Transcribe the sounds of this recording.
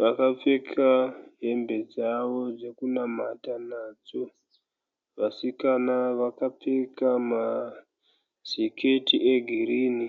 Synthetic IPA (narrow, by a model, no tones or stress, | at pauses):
ʋakap͡fekʰaɦe̞mbe̞d͡zaʋo̞d͡ze̞kunamatanaːd͡zo | ʋasikanaʋakap͡fekama | z̥ikʰe̞tiʔeɡʱiriːni